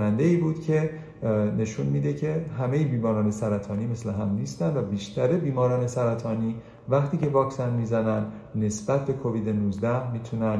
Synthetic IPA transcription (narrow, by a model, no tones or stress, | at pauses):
nænd̪eiːbuːd̪̥cʰe̞ | ne̞ʃunmiːd̪e̞cʰe̞ɦæme̞jebiːmɒːɾɒːne̞sæɾæt̪ʰɒːniːme̞sleɦæmniːst̪ænd̪væbiːʃt̪ʰæɾebiːmɒːɾɒːne̞sæɾæt̪ʰɒːniː | væχt̪ʰiːce̞vɒːksænmiːzænænd̪ | ne̞sb̥æt̪̚ʰbe̞kʰo̞viːd̪enuzd̪æhmiːt̪ʰunæn